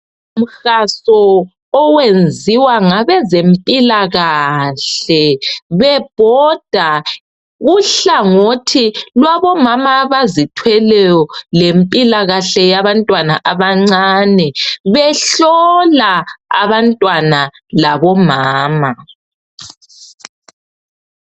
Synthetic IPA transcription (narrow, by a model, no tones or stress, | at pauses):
um̩xasɔː | wend͡zʱiwaŋaβɛzempʼilaɣaɬɛβɛb̥ʱɔd̥ʱa | ɣuɬaŋotʰilwaβɔmamaβazitʰwɛlɛjɔlempʼilaɣaɬɛjaβantʼwana̰ʔaβaŋ͡ǀanɛβɛɬɔlaa̰βantʼwana | laβɔmaːma